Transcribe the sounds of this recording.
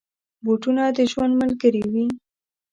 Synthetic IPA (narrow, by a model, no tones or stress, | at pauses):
boʈunad̪əʒwand̪məlɡəɾiwi